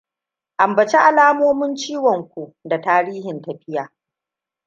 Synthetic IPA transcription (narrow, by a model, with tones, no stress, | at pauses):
ʔa˨mbɐ˨t͡ʃe˦ʔa˨laː˦moː˦mʊ˦nt͡ʃiː˦wɔ˨ŋkʷu˨ʔda˨taː˦ɾiː˦hɪ˨ntɐ˨ɸɪ˦jaː˨